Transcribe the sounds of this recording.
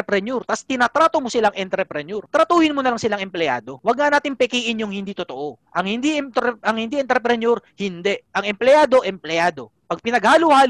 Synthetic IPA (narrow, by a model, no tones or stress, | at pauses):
ɛpɾɛnjuɾt̪ast̪ɪnat̪ɾaːt̪omosɪlaŋʔɛnt̪ɾɛpɾɛnjuɾt̪ɾɐt̪uːhɪnmonɐlaŋsɪlaŋʔɛmplɛjʔa̰ːd̪o̞wɐɡ̚ŋaʔnaːt̪ɪŋpɛkiːʔɪnjʊŋhɪnd̪iːt̪ot̪oʔo̞ʔɐŋhɪnd̪iʔɛt̪ɛʔɐŋhɪnd̪iʔɛnt̪ɾɛpɾɛnoɾhɪnd̪ɛʔʔɐŋɛmplɛjaːd̪o̞ʔɛmplɛaːd̪o̞ | pɐɡ̚pɪnɐɡhaːlʊhaːl